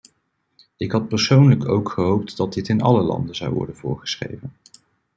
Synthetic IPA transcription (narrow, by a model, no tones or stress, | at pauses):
ɪkɦɑt̚pəɹsownləko̰wkχəɦowp̚tdɑt̚dɪtɪnɑ̰ləlɑ̰ndənzɑ̰wʋɔ̰ɹdənvʊ̰ːɹχə̥sχrḛjvən